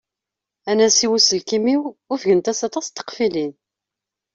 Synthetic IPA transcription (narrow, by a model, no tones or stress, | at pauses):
ænæsiwusəlkimiwʊɾfʝənt̪æsɑt̪ˤɑst̪ːə̥qfilin